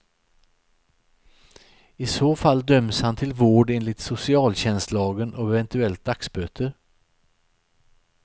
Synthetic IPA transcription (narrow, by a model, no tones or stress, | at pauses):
ɪsoːfalːd̪œmshant̪ʰɪlvoːɖeːnlɪt̪sʊsɪɑːlɕɛnst̪lɑːɡənʔɔɛvɛnt̪ɵɛlt̪̚d̪aksbøːt̪ʰəɾ